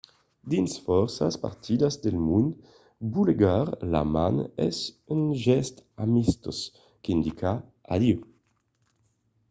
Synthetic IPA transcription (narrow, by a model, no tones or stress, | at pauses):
d̪insfɔʁsa̰spa̰ʁt̪ʰid̪azd̪elmund̪ | buleɡaʁla̰manɛ̰synʒɛst̪amist̪os | kind̪ikaad̪iu